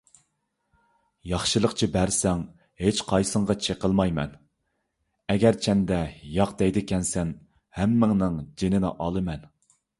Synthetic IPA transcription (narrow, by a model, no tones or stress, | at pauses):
jɑχʃɨlˠəqt͡ʃʰibæɾsɛŋ | het͡ʃqʰɑjsəɴʁɑt͡ʃʰeqəlˠmɑjmɛ̰n | ɛɡʲɛɾt͡ʃʰɛnd̪ɛjɑqd̪ɛjd̪ɪkʲʰɛnsɛn | hæmːɪŋnɨŋd͡ʒenɪnɪ̰ʔɑlˠɨmɛn